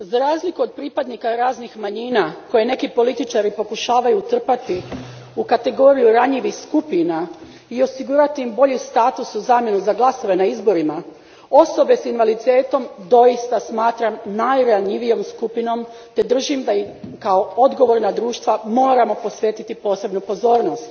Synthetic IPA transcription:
zaɾaːzlikuod̪̚pɾipad̪nikaɾaːznixmaɲiːnako̞je̞ne̞kipo̞lit̪it͡ʃaɾipo̞kuʃaːʋajut̪r̩pat̪i | ukat̪e̞ɡo̞ːɾijuɾaɲiʋixskupina | io̞siɡuːɾat̪iimbo̞ʎist̪aːt̪usuzaːmje̞nuzaɡlˠaso̞ʋe̞naizbo̞ɾima | o̞so̞be̞sinʋalit̪e̞ːt̪o̞md̪o̞jist̪asmaːt̪ɾamnajɾaɲiʋijo̞mskupino̞m | t̪e̞d̪r̩ʒimd̪aikao̞od̪ɡo̞ʋo̞ɾnad̪ɾuːʃt̪ʋamo̞ːɾamo̞po̞sʋje̞ːt̪it̪ipo̞ːse̞bnupo̞zo̞ːɾno̞st̪

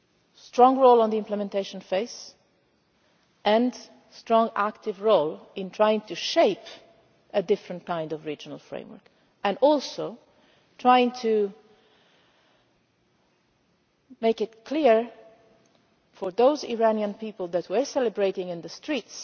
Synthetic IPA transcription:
stɹɔ̃ŋɹoʊlɔ̃nðiɪ̃mpləmɛ̃nteɪʃə̃nfeɪs | ʔɛ̃n | stɹɔ̃ŋæktɪvɹoʊlɪ̃ntʰɹajɪ̃ŋtuʃeɪp | ʔɨdɪfɹə̃ntkãɪ̃ndɔvɹid͡ʒənə̰lˠfɹḛ̃ɪ̃mwə̰˞k | ɛ̃nɔlˠsoʊ | tʰɹajɪ̃ŋtʰu | meɪkɪtkʰliɹ | fɔɹðoʊzḭɹaniə̃npiːpəlˠd̪ætʰwəsɛləbɹeɪɾɪ̃ŋɪ̃nðəstʰɹiːts

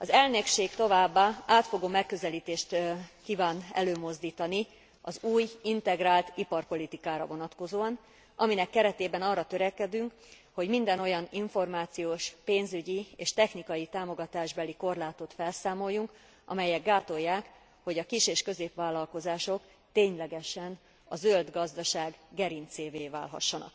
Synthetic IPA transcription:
ɒzɛlnekʃeːkt̪o̞vaːbːaaːt̪fo̞ɡoːmɛkːø̞zɛliːt̪eːʃt̪kiːvaːnɛ̰løːmo̞zd̪iːt̪ɒni | ɒzuːjint̪ɛɡraːlt̪ipɒrpo̞lit̪ikaːɾɒ̰vo̞nɒt̪ko̞zoːɒn | ʔɒminɛkːɛɾɛt̪eːbɛnɒrːɒt̪ø̞ɾɛkɛd̪yŋk | ho̞ɟmind̪ɛno̞jɒniɱfo̞rmaːt̪sijoːʃpeːnzyɟieːʃt̪ɛxnikɒjit̪aːmo̞ɡɒt̪aːʒbɛliko̞rlaːt̪o̞t̪fɛlsaːmo̞jːuŋk | ɒ̰mɛjɛɡːaːt̪o̞jːaːk | ho̞ɟɒkiʃeːʃkø̞zeːpʋaːlːɒlko̞zaːʃo̞k | t̪eːɲlɛɡɛʃɛn | ɒzøld̪ɡɒzd̪ɒʃaːɡɡɛɾint̪seːveːva̰ːlɦɒ̰ʃːɒnɒ̰k̚

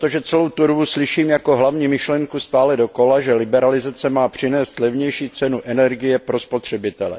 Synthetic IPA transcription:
t̪oʒɛt͡sɛlowt̪uɾvuslɪʃiːmjako̞ɦlavɲiːmɪʃlɛŋkust̪aːlɛdo̞ko̞laʒɛlɪbɛɾalɪzat͡sɛmaːpr̥ɪnɛːst̪lɛvɲɛjʃiːt͡sɛnuʔɛnɛɾɡɪjɛpɾo̞spot̪r̝̥ɛbɪt̪ɛlɛ̰

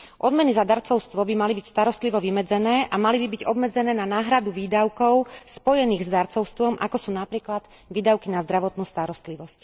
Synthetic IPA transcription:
ʔɔd̪mɛnizad̪aɾt͡sɔʊst̪ʋɔbimalibicst̪aɾɔst̪liʋɔʋimɛd͡zɛnɛːʔamalibibiɟɔbmɛd͡zɛnɛːnanaːɦɾad̪uʋiːd̪aʊkɔʊspɔjɛniːɣzd̪aɾt͡sɔʊst̪ʋɔmʔakɔsuːnapɾiːklad̪̥ | ʋiːd̪aʊkinazd̪ɾaʋɔt̪nuːst̪aɾɔst̪liʋɔsc

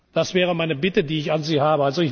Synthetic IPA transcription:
d̥asv̥ɛːʁ̞əmaɪnəbɪtədiːɪçanziːhaːbəalzoɪç

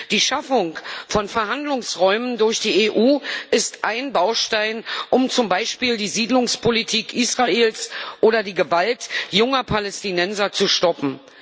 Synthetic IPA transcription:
d̥iːʃafʊŋfɔnfɛɐɦandlʊŋsʁɔʏməndʊɐçd̥iːeʔuːʔɪstʔaɪnbaʊʃtaɪnʔʊmt͡sʊmbaɪʃpiːldiːziːdlʊŋspʰolitʰiːkʔiːsʁ̥aeːlsʔoːɾɐdiːɡəvaltjʊŋɐpʰalɛstinɛnzɐt͡suʃtɔpm̩

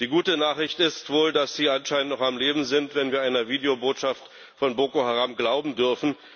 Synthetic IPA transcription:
d̥iːɡuːtənaːχʁɪçtɪstv̥oːldasz̥iːanʃaɪnəntnɔχamleːbm̩zɪntv̥ɛnviːɐaɪnɐviːdeoboːtʃaft | fɔnboːkohaʁaːmɡlaʊbm̩dʏɐfn̩

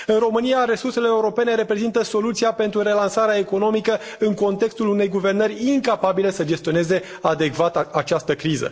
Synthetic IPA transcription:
ɨnro̞mɨnijaɾe̞surse̞le̞ːuɾo̞pe̞ne̞ɾe̞pɾe̞zint̪əso̞lut̪siape̞nt̪ɾuɾe̞lansaɾeaeko̞no̞mikə | ɨŋko̞nt̪e̞kst̪ulune̞jɡuve̞rnərʲiŋkapabile̞səd͡ʒe̞st̪ione̞ze̞ | ad̪e̞kvat̪at͡ʃast̪əkɾizə̰

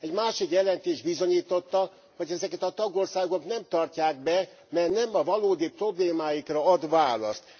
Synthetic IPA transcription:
ɛɟmaːʃikjɛlɛnt̪eːʒd̪bizo̞ɲiːt̪o̞t̪ːɒ | ho̞ɟɛzɛkɛt̪ɒt̪ɒɡo̞rsaːɡo̞knɛmt̪ɒrcaːɡ̚bɛ | mɛrnɛmɒvɒloːd̪ipro̞bleːmaːjikrɒɒd̪ʋaːlɒ̰st̪

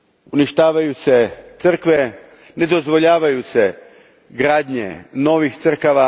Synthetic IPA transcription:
uniʃt̪aːʋajuse̞t̪sr̩kʋe | ne̞d̪o̞zʋo̞ʎaːʋajuse̞ | ɡɾaːd̪ɲḛno̞ʋixt̪sr̩kaʋa

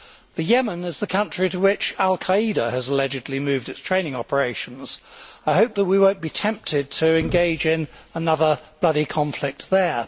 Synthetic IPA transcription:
ðɨjɛmə̃nɪzðəkʰʌ̃nt͡ʃɹ̥iɾəwɪt͡ʃalˠkʰəiɾəəzəlɛd͡ʒɨdˡlimʉːvdɨtstʰɹ̥ẽɪ̃ñɪ̃ŋɑpə˞eɪʃə̃n̩z̥aɪɦəʊp̚ðət̚wiwə̃ʊ̃nb̥itʰɛ̃mp̚tʰɪd̚tʰəɨ̃nɡeɪd͡ʒɪ̃nənʌðəb̥lʌɾikʰɑ̃ɱflɪk̚t̪̚ðə˞

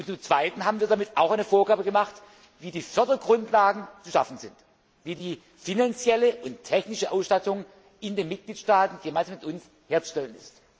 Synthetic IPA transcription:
ʊntt͡sʊmt͡sv̥aɪtn̩ɦaːbn̩viːɐdamɪtaʊxʔaɪnəfoːɐɡaːbəɡəmaχt | viːdiːfœɐdɐɡʁʊntlaːɡŋ̩t͡suʃafn̩zɪnt | viːdiː | finant͡sjɛləʔʊnttʰɛçnɪʃəʔaʊsʃtatʊŋ | ʔɪndeːnmɪt̚ɡ̥liːtʃtaːtn̩ɡəmaɪnzamɪtʊns | heːɐt͡su̥ʃtɛlənɪ̰st

